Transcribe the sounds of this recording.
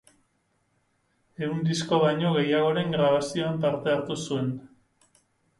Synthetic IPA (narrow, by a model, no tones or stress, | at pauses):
e̞und̪isko̞βajɲo̞ɣe̞jaɣ̞o̞ɾe̞ŋɡɾaβ̞asio̞ant̪aɾt̪e̞aɾt̪usue̞n